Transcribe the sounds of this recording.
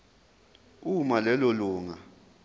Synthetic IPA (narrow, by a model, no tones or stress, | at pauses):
umalɛloluːŋa